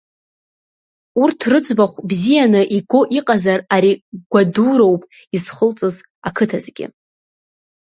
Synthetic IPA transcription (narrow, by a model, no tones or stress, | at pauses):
urtʰrɨt͡sʼbaχʷbzijanɨʔiɡʷo̞ʔiqʼazaraɾiɡ̥ʷaduɾo̞wpʼ | izχəlt͡sʼɨz | akʰɨtʰazɡʲɪ̰